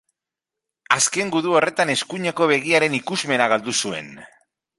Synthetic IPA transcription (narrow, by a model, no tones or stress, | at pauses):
aske̞ŋɡuðuo̞re̞t̪ane̞skuɲe̞ko̞β̞e̞ɣ̞iaɾe̞nikuzme̞naɣald̪usue̞̰n